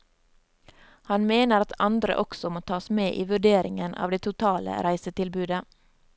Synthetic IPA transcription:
hɑnmeːnəɾɑt̪ʰɑnd̪ɾə̰ʔɔksɔmoːt̪ʰɑːsmeːʔiːʋʉɖeːɾɪŋənʔɑ̰ːʋd̪eːt̪ʰʊt̪ʰɑːlə̰ɾæɪsət̪ɪlbʉːd̪ə

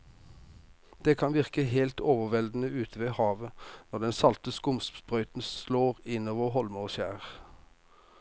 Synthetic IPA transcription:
d̪̥eːkʰɑnʋɪʁkəheːlt̪ʰoːʋəʋɛld̪n̩əʉːt̪ʰəʋeːhɑːʋənɔʁd̪ɛnsɑlt̪əskʊmsbʁœʏt̪n̩sloːʁɪnoːʋəʁɦɔlmoʃæ̰ːʁ

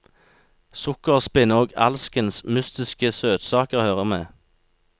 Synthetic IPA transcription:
sʊkəʁspɪnəoːɡɑ̰lskənsmʉst̪ɪskəsøːt̪sɑːkəʁhøːʁəmeː

